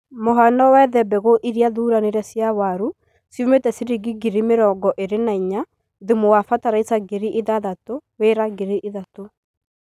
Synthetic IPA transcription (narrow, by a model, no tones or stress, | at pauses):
moɦanɔwɛðɛbɛɣoʔiɾjaðuːɾaneɾɛsjawaɾu | sjumetɛsiɾiɡiɡiɾimeɾɔɡɔʔeɾenaiɲa | ðemowafataɾaitaɡeɾiʔiðaðatoweɾaɡeɾiʔiðato